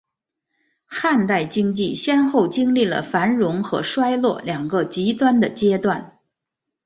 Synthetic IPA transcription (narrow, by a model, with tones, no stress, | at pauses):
xa˥˧nt̪a˥˩ɪt͡ɕi˥ŋt͡ɕi˥˩ɕjɛ˥nxo˥˩ʊt͡ɕi˥ŋli˥˩lə̰˩fa˧˥nɻʊ˧˥ŋxɤ̰˧˥ʂwa˥ɪlwɔ̰˥˩ljɑ˨˩ŋɡə˧t͡ɕi˧˥t̪wa˥nd̪ə˨t͡ɕjɛ˥t̪wa˥˩n